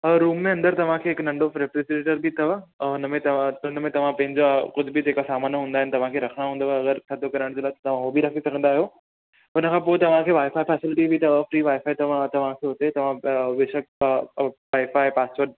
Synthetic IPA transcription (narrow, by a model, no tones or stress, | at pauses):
ɾuːmːẽɐ̃nd̪əɾt̪ɐʋ̤ãkʰeːɦɪknɐ̃ɳɖofɾepɾesʈeʈəɾbɪt̪ʰɐʋʊnəmẽt̪ʊnəmẽt̪ɐʋ̤ãpɐ̃ɦɪ̃ɲd͡ʑokʊd̪ʱbɪd͡ʑeːkasaːmaːnɦũːnd̪aɦɪnɪt̪ɐʋ̤ãkʰeːɾɐkʰəɽ̃aɦũːnd̪aɐɡəɾt͡ɕʰɐt̪ʰokɐɾəɽ̃d͡ʑeːlaɪt̪ɐt̪ɐʋ̤ãɦobɪɾɐkʰisɐɡʱə̃nd̪aːɦijo | ʊnəkʰãːpoːet̪ɐʋ̤ãkʰeːʋaːɪfaːipɛːsɪlɪʈibɪt̪ɐəfɾiːʋaːɪfaːit̪ɐʋãt̪ɐʋ̤ãkʰeːɦʊt̪et̪ɐʋ̤ãʋeʃək̚ | ʋaːɪfaːipaːst͡ɕoɾɖ̚